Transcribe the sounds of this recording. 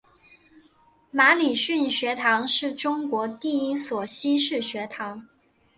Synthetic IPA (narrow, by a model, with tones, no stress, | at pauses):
ma˧˥li˨˩ɕy˥˩nɕɥɛ˧˥t̪ʰɑ˧˥ŋʂɻ̩˥˩ʈ͡ʂʊ˥ŋkwɔ˧˥t̪i˥˩i˥swɔ˨˩ɕi˥ʂɻ̩˥˩ɕɥɛ˧˥t̪ʰɑ˧˥ŋ